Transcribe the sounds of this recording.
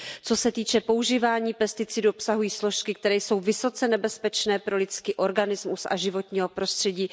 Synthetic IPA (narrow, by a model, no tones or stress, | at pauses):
t͡so̞sɛt̪iːt͡ʃɛpo̞uʒiːvaːɲiːpɛst̪ɪt͡sɪduopsaɦujiːsloʃkɪk̚t̪ɛɾɛːjso̞wvɪso̞t͡sɛnɛbɛspɛt͡ʃnɛːpɾo̞lɪt͡skiːʔo̞ɾɡanɪzmusʔa̰ʒɪvo̞t̪ɲiːɦo̞pɾo̞st̪r̥ɛɟiː